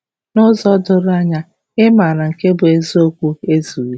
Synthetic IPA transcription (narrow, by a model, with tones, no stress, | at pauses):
nʊ˦zɔ˦dʊ˦ɾa˦ɲa˦ | ɪ˦ma˨ɾa˨ŋ̩˨ke˦bʊ˨e˨zo˦kʷu˦e˦zu˨ɾi˦